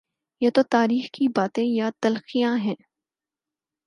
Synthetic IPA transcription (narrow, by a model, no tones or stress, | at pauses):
jet̪ot̪aːɾiːxkibaːt̪ẽjat̪ɐlxijãɦɛ̃ː